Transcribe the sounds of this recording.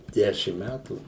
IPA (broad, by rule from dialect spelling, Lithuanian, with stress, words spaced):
ˈdʲæːʃʲɪm ˈmʲætuː